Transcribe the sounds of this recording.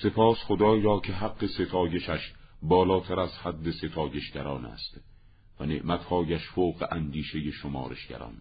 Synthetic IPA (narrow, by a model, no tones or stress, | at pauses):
se̞pʰɒːsxod̪ɒːjɾɒːkʰe̞ɦæɡːe̞se̞t̪ʰɒːje̞ʃæʃbɒːlɒːt̪ʰæɾæzhæd̪ːese̞t̪ʰɒːje̞ʃɡæɾɒːnæ̰ːst̪ | væne̞̰ʔmæt̪hɒːjæʃfoːɢeʔænd̪iːʃe̞jeʃomɒ̰ːɾḛʃɡ̥æ̰ɾɒ̰ːn